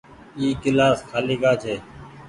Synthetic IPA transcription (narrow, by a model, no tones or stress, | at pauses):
iːkɪlaːskʰaːliːkaːt͡ʃʰeː